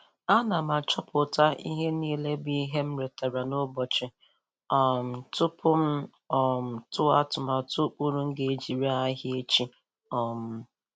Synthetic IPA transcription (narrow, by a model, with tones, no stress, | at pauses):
a˦na˨ma˨t͡ʃɔ˦pʊ˨ta˦ḭ˦ɦe˦niː˦le˦bi˦ɦe˦m̩˦ɾe˨ta˨ɾa˨no˦bɔ˨t͡ʃɪ˨ | ɔ˨m̩˨tʊ˦pʰʊ˦m̩˦ | ɔ˨m̩˨tʊ˦a˦tʊ˨ma˨tʊ˦k͡pu˦ɾu˦ŋ̩˦ɡe˨e˦d͡ʒi˨ɾi˦a˦ɦɪ˦e˦t͡ʃi˦ | ɔ˨m̩˦